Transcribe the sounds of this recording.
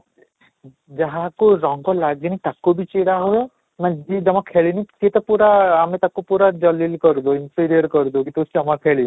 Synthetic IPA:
d͡ʒaɦãkuɾɔŋɡɔlaɡinit̪akubit͡ʃiɽaɦoe | nad͡ʒid͡ʒɔmakʰeɭinitet̪ɔpuɾaːmet̪akupuɾad͡ʒɔlilkɔɾd̪uinpiɾiɔɾkɔɾud̪ukit̪usd͡ʒɔmakʰeɭi

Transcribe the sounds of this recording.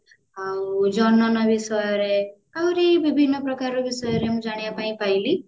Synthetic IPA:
awd͡ʒɔnɔnʌbisɔjɔɾe | awɾibibʱinːʌpɾʌkaɾobisɔjɔɾemũd͡ʒaɽ̃japaĩpajli

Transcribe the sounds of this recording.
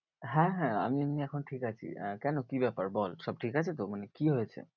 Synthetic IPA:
ɦɛ̃ɦɛ̃a̰miniɛkʰonʈʰikat͡ɕʰḭkɛnokibɛpaɾbɔlʃɔb̚ʈʰikat͡ɕʰet̪omanekiɦojet͡ɕʰḛ

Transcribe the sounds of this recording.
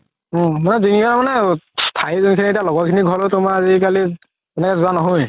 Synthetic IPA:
manɛzinikamanɛstʰaizunikʰinietijalɔɡɔkʰiniɡʱɔlotʊmaazikali | ɛnɛkɛzʊanɔɦoj

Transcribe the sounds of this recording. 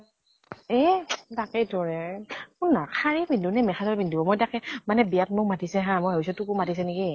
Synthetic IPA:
ɛtakɛtɔɹɛkʊnnakʰaɹibindunɛmɛxatɔbindubɔmɔjtakɛmanɛbijat̚mʊkmatisɛɦãmɔjɦɔs̬ɔtukumatis̬ɛniɡi

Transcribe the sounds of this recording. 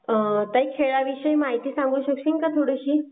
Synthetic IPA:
t̪aikʰeɭaʋiɕəjmaɦit̪iːsãŋɡuːɕəkɕiŋkat̪ʰoɽəɕiː

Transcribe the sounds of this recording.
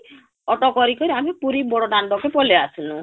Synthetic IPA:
ɔʈɔkɔɾikɔɾiamipuɾibɔɽɔɖaɳɖɔkepɔleasʰunu

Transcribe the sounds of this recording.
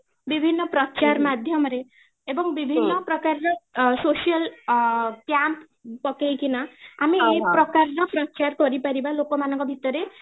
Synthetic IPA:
bibʱinːɔpɾɔt͡ʃaɾmad̪ʱjɔmɾe | ebɔŋbibʱinːɔpɾɔkaɾɾɔsoʃijəl | pjanp | pɔkejkinaamiekpɾɔkaɾɾɔpɾɔt͡ʃaɾkɔɾipaɾibalokɔmanɔŋkɔbʱit̪ɔɾe

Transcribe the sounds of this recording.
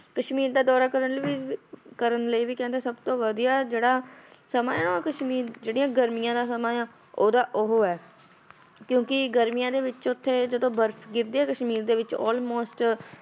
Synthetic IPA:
kəʃmiːɾd̪aːd̪ɔːɾaːkəɾənlːʋiːkəɾənləiːʋiːkɛ̃ːnd̪eɛːsəbt̪õːʋəd̪ijaːd͡ʒeːɽaːsəmaːaːnːkəʃmiːɾd͡ʒeːɽijãːɡəɾmɪjãːd̪aːsəmãːjãː | oːd̪aːʔʊɦoːɛː | kjõːkɪɡəɾmijãːd̪eːʋɪt͡ʃʊt̪ʰːeːd͡ʒəd̪õːbəɾpʰɡɪɾd̪iːɛːkəʃmiːɾd̪eːʋɪt͡ʃɔ̰ːlmoːsʈ

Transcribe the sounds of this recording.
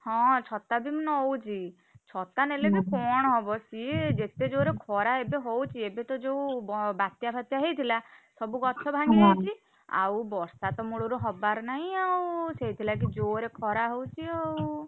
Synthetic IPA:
hɔ̃t͡ʃʰɔt̪abimnɔɦowt͡ʃʰi | t͡ʃʰɔt̪anelebikɔɽ̃ɔɦɔbɔsied͡ʒet̪ed͡ʒoɾekʰɔɾaebeɦowt͡ʃʰiebet̪ɔd͡ʒewbat̪japʰat̪jaɦejt̪ʰilasɔbuɡɔt͡ʃʰɔbʱaŋɡiejt͡ʃʰi | a̰wbɔɾsat̪ɔmuɭɔɾuɦɔbaɾnaɦĩawseɦjt̪ʰilak̬id͡ʒoɾekʰɔɾaɦowt͡ʃʰiaw

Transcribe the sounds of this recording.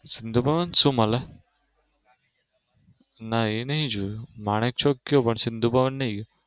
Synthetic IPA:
sind̪ʱubʱaʋansumala | nainaɦĩd͡ʑumaɽ̃ek̚t͡ɕʰɔkkːjopəɳsind̪ʱubaʋanːaik

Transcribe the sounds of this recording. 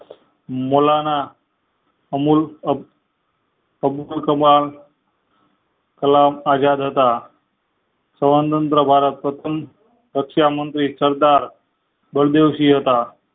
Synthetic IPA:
molana | mul | əbulkəmal | kəlamad͡ʑad̪ɦət̪a | sə̃ʋənt̪ənt̪ɾəbʱaɾət̪̚pɾət̪ʰəm | ɾəkʂjamənt̪ɾiːsəɾd̪aɾ | bəɭd̪ewɕiɦot̪a

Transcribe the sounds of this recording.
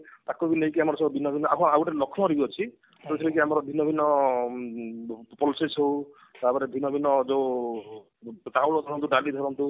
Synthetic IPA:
t̪akubinejkiamɔɾɔsɔbɔbʱinɔbʱinɔakʰɔauʈalɔkʰnɔɾibiɔt͡ʃʰi | t̪ot̪ʰɔɾikiamɔɾɔbʱinɔbʱinɔ | pɔlsesow | t̪apɔɾebʱinɔbʱinɔd͡ʒow | ʈ̪awlɔd̪ʱɔɾɔnt̪uɖalid̪ʱɔɾɔnt̪u

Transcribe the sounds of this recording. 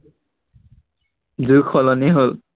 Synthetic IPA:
zukʰɔlɔniɦol

